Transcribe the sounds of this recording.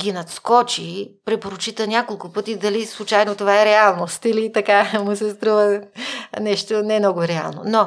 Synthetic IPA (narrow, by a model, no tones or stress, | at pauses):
ɡʲinɐt̪skɔt͡ʃipɾɛpoɾʊt͡ʃit̪ənʲakolˠkʊpɤt̪id̪ɐlislˠʊt͡ʃajnot̪ovaɛɾɛalˠnost̪ilit̪ɐkamʊsɛst̪ɾuvə | nɛʃt̪onɛmnɔɡʊɾɛa̰lˠno̰no